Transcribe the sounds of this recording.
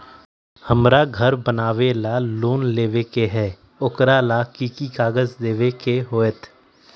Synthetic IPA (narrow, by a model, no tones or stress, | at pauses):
həmɾaɡʱəɾbənaːʋelaloːnleːʋekeɦɛː | ʊkɾalakiːkikaːɡəzd̪eːʋekeɦoːət̪ʰ